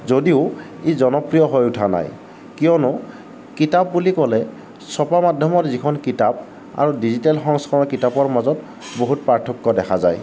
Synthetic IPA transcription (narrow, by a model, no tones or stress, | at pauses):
zodiʊ | ezɔnɔpɹijɔɦojutʰana̰j | kijɔnɔ | kitap̚ːulikɔlɛ | sɔpamadʱjɔmɔtzikʰɔnkitap̚ | a̰ɹudizitalxɔŋskʰɔɹɔkitapɔɹmazɔt | boɦutpɹaɹtʰɔkːɔdɛkʰaza̰j